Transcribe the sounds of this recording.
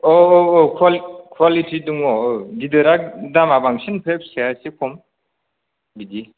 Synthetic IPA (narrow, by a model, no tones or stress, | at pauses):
ɔookʰwalkʰwalitʰiduŋɔdidɯɾak̚damabaŋsinpʰep̚seasikʰɔm | bidi